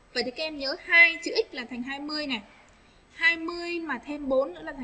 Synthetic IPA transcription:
vaː˨˩t͡ɕə˨˩kaː˦˧˥ʔɛ˧mɲəː˨˦haː˧jt͡ɕɨ˧˩ʔï˦˥k̟̚laː˨˩t̪ʰa˨˩jŋ̟ɦaː˧jmɨ˧əjŋa˨˩j | haː˧jmɨ˧əjmaː˨˩t̪ʰe˧mɓo˨˦nːɨ̰˧˥la˨˩˨ŋ

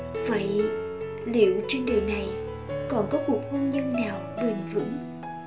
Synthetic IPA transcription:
va̰ː˧˨j | lḭ˧˨əwt͡ɕe˧nɗi˨˩na˨˩j | kɔ˨˩nkɔ˨˦ku˨˩ək̚ho˧nɲə˧nnaː˨˩wɓi˨˩ŋvɨ̰˧˥ŋ

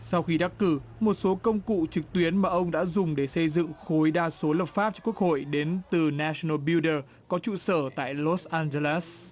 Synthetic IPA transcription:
sa˧wxi˧ɗa˦˥k̚kːɨ˧˩mo˨˩t̚so˨˦kə˧wŋ͡mkṵ˧˨t͡ɕɨ˨˩k̚t̪wi˨˦ənmaː˨˩ʔə˧wŋ͡mɗa̰ː˧˥zʊ˨˩ŋ͡mɗe˧˩sə˧jzɨ̰˧˨ŋxo˨˦jɗaː˧so˨˦lə˨˩p̚faː˦˥p̚t͡ɕɔ˧ku˦˥ək̚ho̰˧˨jɗe˨˦nt̪ɨ˨˩naː˧snə˧ɓi˧ɗə˧ | kɔ˨˦t͡ɕṵ˧˨səː˧˩t̪a̰ː˧˨jlɔ˦˥sʔaː˧nze˧la˦˥s

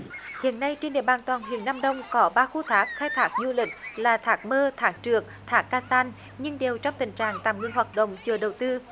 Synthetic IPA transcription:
hḭ˧˨ənːa˧jt͡ɕe˧nɗḭ˧˨əɓaː˨˩nt̪waː˨˩nɦi˧˨ənːaː˧mɗə˧wŋ͡mkɔ˨˦ɓaː˧xu˧t̪ʰaː˨˦˥k̚xaː˧jt̪ʰaː˨˦˥k̚ɲu˧lï˨˩k̟̚laː˨˩t̪ʰaː˨˦˥k̚məː˧t̪ʰaː˨˦˥k̚t͡ɕɨ˨˩ək̚t̪ʰaː˨˦˥kːaː˧saː˧n | ɲɨ˧ŋɗe˨˩wt͡ɕɔ˧wŋ͡mt̪ï˨˩ŋ̟t͡ɕaː˧˨ŋt̪a̰ː˧˨˩mŋi˧əŋɦwaː˨˩t̚ɗə̰˧˨wŋ͡mt͡ɕɨ˨˩əɗə˨˩wt̪ɨ˧

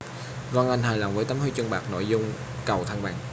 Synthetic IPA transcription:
va˧ŋʔa˧jŋ̟ɦaː˨˩jla̰˨˩wŋ͡mvəː˨˦jt̪aː˨˦mho˧jt͡ɕɨ˧əɓaː˨˩k̚no̰˧˨jzʊ˧ŋ͡m | kə˨˩wt̪ʰa˧ŋɓa̰ː˨˩ŋ

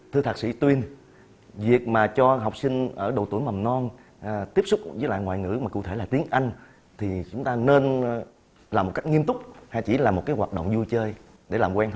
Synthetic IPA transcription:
t̪ʰɨ˧t̪aː˨˩k̚sḭ˧˥t̪wi˧ən | vi˨˩ək̚maː˨˩t͡ɕɔ˧ɦa˨˩wk͡p̚sï˧ŋ̟ʔəː˧˩ɗə˨˩wt̪u˧˩əjma˨˩mnɔ˧n | t̪i˦˥əp̚sʊ˦˥k͡p̚vəː˨˦jla̰ː˧˨ŋwa̰ː˧˨jŋɨ̰˧˥maː˨˩kṵ˧˨t̪ʰe˧˩laː˨˩t̪i˨˦ənʔa˧jŋ̟ | t̪ʰi˨˩t͡ɕʊ˨˦ŋ͡mt̪aː˧ne˧n | laː˨˩mo˨˩t̚ka˦˥jk̚ŋi˧əmt̪ʊ˦˥k͡p̚haː˧˨˩t͡ɕi˧˩laː˨˩mo˨˩t̚kaː˨˦jɦwaː˨˩t̚ɗə̰˧˨ŋ͡mzu˧jt͡ɕəː˧j | ɗe˧˩laː˨˩mkwɛː˧n˦

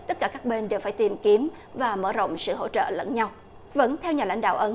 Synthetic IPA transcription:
t̪ə˦˥t̚kaː˧˩kaː˦˥k̚ɓe˧nɗe˨˩wfaː˧˩jt̪i˨˩mki˨˦əm | vaː˨˩məː˧˩zo̰˧˨wŋ͡msɨ̰˧˨ɦo̰˧˥t͡ɕə̰ː˧˨lə̰˧˥nɲa˧w | və̰˧˥nt̪ʰɛ˧wɲaː˨˩la̰˧˥jŋ̟ɗa̰ː˧˨wʔə˨˦

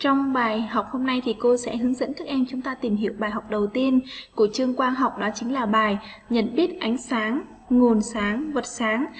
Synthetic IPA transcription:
t͡ɕɔ˧wŋ͡mɓaː˨˩jha˨˩wk͡p̚ho˧mna˧jt̪ʰi˨˩ko˧sɛ̰˧˥hɨ˨˦əŋzə̰˧˥nkaː˦˥k̚ʔɛ˧mt͡ɕʊ˨˦ŋ͡mt̪aː˧t̪i˨˩mɦḭ˧˨əwɓaː˨˩jɦɔ˨˩wk͡p̚ɗə˨˩wt̪i˧ənku˧˩ət͡ɕɨ˧əŋkwaː˧nɦwk͡p̚ɗɔ˨˦t͡ɕï˨˦ŋ̟laː˨˩ɓaː˨˩j | ɲə̰˧˨nɓi˦˥ət̚ʔa˨˦jŋ̟saː˨˦ŋ | ŋo˨˩nsaː˨˦ŋvə˨˩t̚saː˨˦ŋ

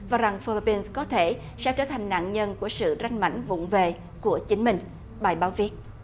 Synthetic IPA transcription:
vaː˨˩za˨˩ŋfi˧li˧pi˧nskɔ˨˦t̪ʰe˧˩ | sɛ̰˧˥t͡ɕəː˧˩t̪ʰa˨˩jŋ̟na̰ː˧˨nɲə˧nku˧˩əsɨ̰˧˨za˧jŋ̟ma̰˧˩jŋ̟vʊ̰˧˨ŋ͡mve˨ | ku˧˩ət͡ɕï˨˦ŋ̟mï˨˩ŋ̟ | ɓaː˨˩jɓaː˨˦wvi˦˥ət̚

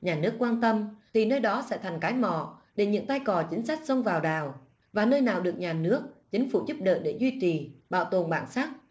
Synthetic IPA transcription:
ɲaː˨˩nɨ˦˥əkːwaː˧nt̪ə˧mt̪ʰi˨˩nəː˧jɗɔ˨˦sɛ̰˧˥t̪ʰa˨˩jŋ̟kaː˨˦jmɔ̰˧˨ɗe˧˩ɲɨ̰˧˥ŋt̪a˧jkɔ˨˩t͡ɕï˨˦ŋ̟sa˦˥k̚sə˧wŋ͡mvaː˨˩wɗaː˨˩w | vaː˨˩nəː˧jnaː˨˩wɗɨ˨˩ək̚ɲaː˨˩nɨ˦˥ək̚t͡ɕï˨˦ŋ̟fṵ˧˩zu˦˥p̚ɗə̰ː˧˨jɗe˧˩zwi˧t͡ɕi˨˩ɓa̰ː˧˨wt̪o˨˩nɓa̰ː˧˩nsaː˦˥k̚

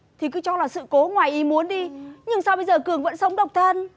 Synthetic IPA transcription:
t̪ʰi˨˩kɨ˨˦t͡ɕɔ˧laː˨˩sɨ̰˧˨ko˨˦ŋwaː˨˩jʔi˨˦mu˨˦ənɗi˧ɲɨ˧ŋsaː˧wɓə˧jzəː˨˩kɨ˨˩əŋvə̰˧˥nsə˨˦wŋ͡mɗə˨˩wk͡p̚t̪ʰə˧n

